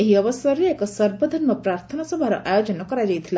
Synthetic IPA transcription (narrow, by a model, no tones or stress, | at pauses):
eɦiɔʋɔsɐɾjekɔsɐɾbod̪ʱənmɐpɾaːɾt̪ʰənasɔbʱaɾɔ̰ʔajod͡ʒɔnɔkɔɾad͡ʒajt̪ʰila